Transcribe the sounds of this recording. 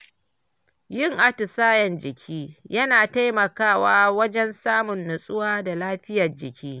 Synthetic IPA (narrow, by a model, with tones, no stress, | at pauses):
jɪ˦ŋʔa˦tʊ˨saː˦jɐ˨nd͡ʒɪ˨kʲʰiː˦jɐ˦naː˨ta˦jmɐ˨kaː˦˨waː˦wɐ˦d͡ʒɛ˦nsaː˦mʊ˨nːʊ˨sʼʊ˦waː˦da˨laː˦ɸɪ˦jɐ˨rd͡ʒɪ˨kʲiː˦